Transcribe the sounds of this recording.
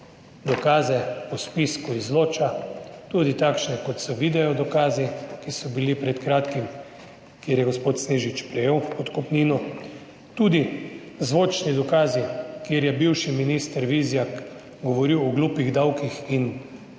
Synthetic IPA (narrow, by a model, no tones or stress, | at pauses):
d̪ɔkaːzɛɔspiskuizloːt͡ʃat̪ud̪it̪akʃnɛkɔt̪sɔʋid̪ɛjɔd̪ɔkaːzikisɔbilipɾɛt̪kɾaːt̪kim | kjeːɾjɛɡospoːt̪sneːʒit͡ʃpɾɛjeːwpɔt̪kɔpniːnɔ | t̪ud̪i | zʋoːt͡ʃnid̪ɔkaːzikjeɾjɛbiwʃiminist̪ɛɾʋizjak | ɡɔʋɔɾiwɔɡlupiɣd̪awkixin